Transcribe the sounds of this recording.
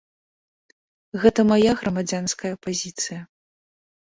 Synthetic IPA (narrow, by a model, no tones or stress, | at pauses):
ɣɛt̪ɐmajaɣɾɐmad͡zʲanskɐjɐpazʲit̪sɨjɐ